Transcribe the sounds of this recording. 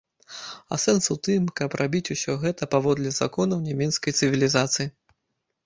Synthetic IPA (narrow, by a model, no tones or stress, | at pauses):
a̰sɛnsut̪ɨmkɐprʔabʲit͡sʲusʲɔɣɛt̪ɐpavɔd̪lʲɛza̰kɔnɐwnʲamʲɛt̪skɐjt̪sɨvʲilʲizat̪sɨji